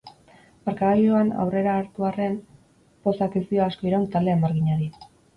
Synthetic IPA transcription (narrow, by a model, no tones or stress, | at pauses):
maɾkaɣaloana̰wre̞ɾaːɾt̪uare̞m | po̞sakisioasko̞iɾawnt̪ald̪e̞ːmaɾɣiɲaɾi